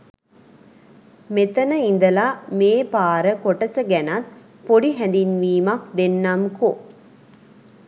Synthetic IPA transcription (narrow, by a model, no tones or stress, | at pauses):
met̪ɐnəind̪ɐlameːpaːɾəkoʈɐsɐɡænat̪ | poɽiɦænd̪inʋiːmakd̪enːamko